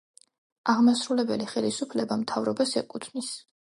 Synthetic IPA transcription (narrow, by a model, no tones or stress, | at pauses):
aʁmasɾulɛbɛliχɛlisupʰlɛbamt̪ʰavɾɔbasɛkʼut̪ʰvnis